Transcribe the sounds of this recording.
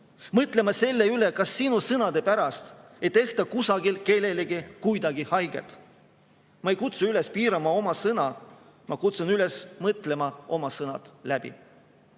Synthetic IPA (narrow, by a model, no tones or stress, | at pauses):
mɤt̪ˑle̞mɑse̞lːe̞yle̞kɑsːinusɤnɑd̪̥e̞pæɾɑst̪ | e̞jt̪e̞ht̪ɑkusɑɡ̥ilke̞le̞leɡ̥ikujd̪ɑɡ̥ihɑjɡ̥e̞̰t̪ | mɑe̞jkut̪suyle̞spiːɾɑmɑo̞mɑsɤnɑ | mʔɑkut̪sunylesmɤt̪ˑle̞mɑʔo̞mɑsɤnɑ̰t̪læb̥ḭ